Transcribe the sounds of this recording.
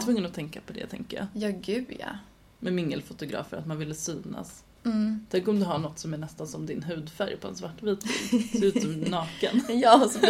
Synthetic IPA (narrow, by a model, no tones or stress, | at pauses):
t̪vɵŋːənɔt̪ʰɛŋkapʰɔd̪ɛ̰t̪ʰɛ̰ŋkəja̰jɑːɡʉ̟ːd̪ja̰ | mɛmɪŋːəlfʊt̪ʊɡɾɑ̰ːfəɾat̪manvɪlːəsyːna̰s | t̪ʰɛŋkɔmd̪ɵɦaɳɔt̪ːsɔmæɳɛst̪ansɔmd̪ɪnɦʉ̟ːd̪fæɾjpʰɔɛ̰nsvaʈːviːt̪v̰ːʉ̟ːt̪ənɑːkə̰njɑːsɔ